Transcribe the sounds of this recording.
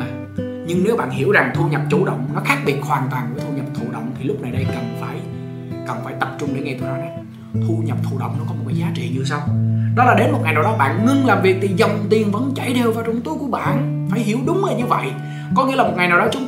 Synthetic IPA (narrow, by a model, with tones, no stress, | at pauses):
ɲɨ˧ŋne˨˦wɓa̰ː˧˨nhi˧˩əwza˨˩ŋt̪ʰu˧ɲə˨˩p̚t͡ɕu˧˩ɗə̰˧˨wŋ͡mnɔ˨˦xaː˦˥k̚ɓi˨˩ət̚hwaː˨˩nt̪waː˨˩nku˧˩ət̪ʰu˧ɲə˨˩p̚t̪ʰu˧˩ɗə̰˧˨wŋ͡mt̪ʰi˨˩lʊ˦˥k͡p̚na˨˩jɗə˧jkə˨˩nfaː˧˩j | kə˨˩nfaː˧˩jt̪ə˨˩p̚t͡ɕʊ˧ŋ͡mɗe˧˦ŋɛ˧jt̪u˧˨˩jnɔ˨˦ɗɔ˨˦ | t̪ʰu˧ɲə˨˩p̚t̪ʰu˧˩ɗə̰˧˨wŋ͡mnɔ˨˦˥kɔ˨˦o˨˩kːaː˨˦jzaː˨˦t͡ɕḭ˧˨ɲɨ˧sa˧wɗɔ˨˦laː˨˩ɗe˨˦nmo˨˩t̚ŋa˨˩jnaː˨˩wɗɔ˨˦˥ɓa̰ː˧˨nŋɨ˧ŋlaː˨˩mvi˨ək̚t̪ʰi˨˩zə˨˩wŋ͡mt̪i˨˩ənvə̰˧˥nt͡ɕa˧˩jt̪ʰe˧wvaː˨˩t͡ɕʊ˧ŋ͡mt̪u˨˦jku˧˩əɓa̰ː˧˨nfaː˧˩jɦi˧˩əwɗʊ˨˦ŋ͡mə˨˩ɲɨ˧və̰˧˨jʔ | kɔ˨˦ŋḭ˧˥laː˨mo˨˩t̚ŋa˨˩jnaː˨˩wɗɔ˨˦t͡ɕʊ˨˦ŋ͡m